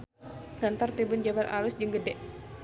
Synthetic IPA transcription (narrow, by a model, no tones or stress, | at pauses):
ŋant̪ɔrt̪ibund͡ʒabalʔa̰lusd͡ʒəŋɡədɛʔ